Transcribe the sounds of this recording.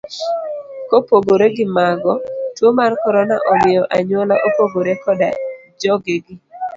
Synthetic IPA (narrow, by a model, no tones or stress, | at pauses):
kopoɡoɾeɡɪmaɡɔtwomarkɔɾɔna̰ʔɔmɪjɔʔaɲwɔlaʔopoɡoɾekɔda̰d͡ʒɔɡeɡɪ